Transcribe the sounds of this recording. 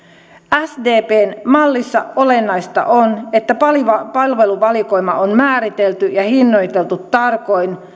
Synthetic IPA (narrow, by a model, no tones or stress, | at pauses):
æsdeːpeːnmɑlːisːɑo̞le̞nːɑist̪ɑ̰ʔonet̪ːæpɑliʋɑpɑlʋe̞luʋɑliko̞imɑ̰ʔonmæːɾit̪elt̪yjɑhinːo̞jt̪elt̪ut̪ːɑrko̞in